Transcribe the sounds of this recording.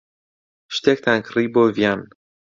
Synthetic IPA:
ʃt̪ʲɛk̚t̪aŋkɾibovjan

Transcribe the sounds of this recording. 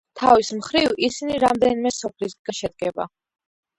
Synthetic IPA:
t̪ʰavismχɾivisiniɾamd̪ɛnimɛsɔpʰlisd̪ɡaʃɛd̪̚ɡɛba̰

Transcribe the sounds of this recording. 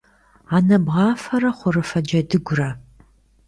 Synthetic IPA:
aːnɐbʁɑːfɐɾɐχʷʊrɨfɐd͡ʒɐdɨɡʷʊrɐ

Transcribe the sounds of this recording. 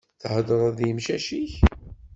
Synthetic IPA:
θhəd̪əɾˤæðjəmʃæʃiç

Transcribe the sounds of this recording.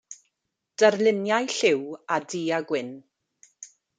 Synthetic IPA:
d̥ərlɪnjajɬɪwadiːaɡwɪn

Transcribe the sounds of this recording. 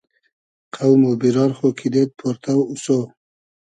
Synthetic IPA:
qʰawmobiɾɑɾχokʰid̪et̪̚pʰoɾt̪ʰawuso

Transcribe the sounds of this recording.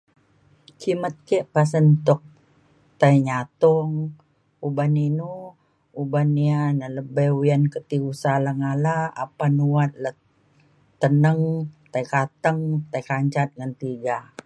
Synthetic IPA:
kimət̪̚kɛʔpas̬ənt̪ɔk̚ | t̪aiɲat̪ɔŋ | ubaninu | ubanianələbɛwiankət̪iusalaŋalaa̰panuwat̪̚lə | t̪ənəŋt̪aikat̪əŋt̪aikaɲt͡ʃat̪̚ŋant̪iɡa

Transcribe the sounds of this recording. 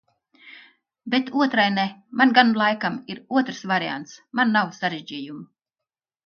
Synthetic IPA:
bet̪uɔt̪ɾajnɛmanɡanlˠajkamiɾuɔt̪ɾsvaɾia̰nt̪smanːawsaɾeʒd͡ʒijumu

